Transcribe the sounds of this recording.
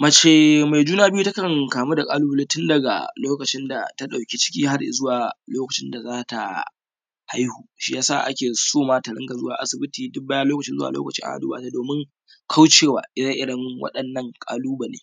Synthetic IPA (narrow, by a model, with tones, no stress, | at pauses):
mɐ˨t͡ʃeː˨ma˨jd͡ʒuː˦naː˦bɪ˦ju˦tɐ˦kɐ˨ŋkaː˨muː˦da˨kʼaː˦luː˦bɐ˦˨leː˦tʊ˦ndɐ˨ɡa̰˨loː˦kɐ˨t͡ʃɪ˦nda̰˨ta˦ɗa˨wkʲe˦t͡ʃɪ̥˦kʲiː˦ha˦rzʊ˦waː˨loː˦kɐ˨t͡ʃɪ˦nda˨zaː˦ta̰˨ | ha˦jhuː˨ʃi˦jaː˦sa̰˦˨ʔa̰˦kʲeː˨soː˦maː˦tɐ˨ɽɪ˦ɡa˨zʊ˦waː˨ʔa̰˦sɪ˨bɪ˦tiː˨dʊ˦mbaː˦jaː˦loː˦kɐ˨t͡ʃɪ˦zʊ˦a̰˨lʔo̰ː˦kɐ˨t͡ʃḭ˦ʔa̰˨ʔa̰˨duː˦baː˨ta˦doː˨mɪ˦ŋ | kʰa˦wt͡ʃeː˦˨wa̰ː˨ʔɪ˦ɽɐ˦ʔɪ˦ɽɐ˦ŋwɐ̰˦ɗɐ˨nːɐ˦ŋkʼa̰ː˦luː˦ba˨leː˦